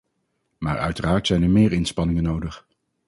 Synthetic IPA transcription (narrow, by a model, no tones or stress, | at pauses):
maːɹœ̰ɥtəraːɹtsɛjnəɹmɪːɹɪnspɑnɪŋənowdəχ